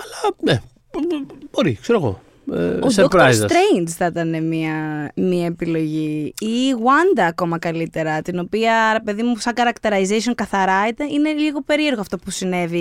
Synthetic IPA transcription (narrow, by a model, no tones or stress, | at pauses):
ɐlɐne | b̥o̞ɾikseɾoɣo̞̰ | ḛodseokɾajzsɐt̪ɾejnd͡zθɐt̪ɐne̞miɐmiɐepilo̞ʝiː | ɣwɐnd̪ɐːko̞mɐkɐlit̪e̞ɾɐt̪ino̞piɐɾe̞pe̞ðimusɐŋɡɐɾɐkt̪eɾɐizesio̞ŋkɐθɐɾɐet̪eine̞liɣo̞pe̞ɾie̞ɾɣoɐft̪o̞pusine̞vi